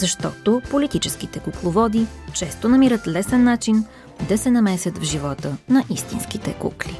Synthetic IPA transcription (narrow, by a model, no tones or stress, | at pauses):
zɐʃt̪ɔt̪opolit̪it͡ʃɛsk̟it̪ɛkuklˠovɔd̪it͡ʃɛst̪onɐmiɾət̪lɛsɛnːat͡ʃin | d̪ɐsɛnɐmɛsʲjət̪vʒivɔt̪ənɐʔist̪inskit̪ɛ̰kṵkli